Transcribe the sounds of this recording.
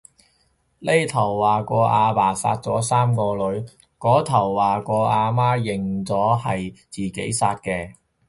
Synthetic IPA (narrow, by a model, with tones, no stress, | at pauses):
le˥jt̪ʰɐ˨˩wːaː˨˩kɔː˧ʔaː˧paː˨˩sa̰ː˧t̚t͡sɔː˨˥saː˥mkɔː˧lɵ˨˥ɥ | kɔː˨˥t̪ʰɐ˨˩wːaː˨kɔː˧ʔaː˧maː˥jɪ˨˩ŋt͡sɔː˨˥hɐ˨jt͡siː˨˩ke˨˥jsaː˧t̚kɛː˧